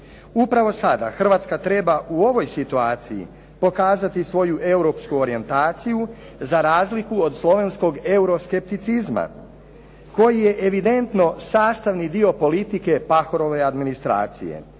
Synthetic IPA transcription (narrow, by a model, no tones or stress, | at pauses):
upɾaʋo̞sad̪a̰xr̩ʋaːt̪skat̪ɾe̞baʔuo̞ʋo̞jsit̪uaːt̪sijḭ | po̞kaːzat̪isʋo̞juʔe̞wɾo̞pskuo̞ɾie̞nt̪aːt̪siju | zaɾaːzlikuod̪slˠo̞ʋe̞nsko̞ɡe̞uɾo̞ske̞p̚t̪it̪sizma̰ | ko̞jijeʔeʋid̪e̞nt̪no̞saːst̪aʋnid̪io̞po̞lit̪ike̞paxo̞ɾo̞ʋe̞ad̪minist̪ɾa̰ːt̪sḭjḛ